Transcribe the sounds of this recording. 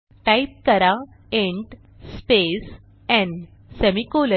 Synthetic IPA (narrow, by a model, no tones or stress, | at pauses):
ʈaip̚kəɾa | ẽɳʈ | spes | ɛ̃ɳɖ | semikolə